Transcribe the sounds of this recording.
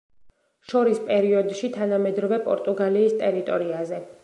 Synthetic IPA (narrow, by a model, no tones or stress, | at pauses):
ʃɔɾispʼɛɾiɔd̪ʃit̪ʰanamɛd̪ɾɔvɛpʼɔ̰ɾt̪ʼuɡaliːst̪ʼɛɾit̪ʼɔɾiazɛ